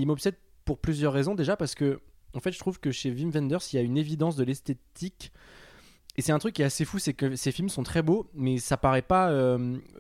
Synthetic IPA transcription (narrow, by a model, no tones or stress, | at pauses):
ilmɔpsɛd̪̚ | puʁplyzjœʁːezɔ̃d̪eʒapaʁsə̥kə | ɑ̃fɛt̪ʒə̥t̪χuvkəʃevimvɛ̃nd̪œʁsiljaynevid̪ɑ̃s̬d̪əlɛst̪et̪ʰik | esɛt̪ɛ̃t̪χykʲːjɛtasefusɛkəsefilmsɔ̃t̪χɛbomɛsapaʁɛpaøm